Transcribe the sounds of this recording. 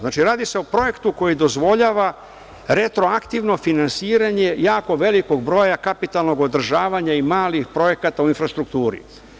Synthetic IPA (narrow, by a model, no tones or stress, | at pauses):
znaːt͡ʃiɾaːd̪ise̞opɾo̞je̞kt̪uko̞jid̪o̞zʋo̞ʎaːʋa | ɾe̞t̪ɾo̞akt̪iʋno̞finansiːɾaɲe̞jaːko̞ʋe̞liko̞ɡbɾo̞ːjakapit̪alˠno̞ɡo̞d̪ɾ̩ʒaːʋaɲaimaːlixpɾo̞je̞kat̪auinfɾast̪ɾukt̪uːɾḭ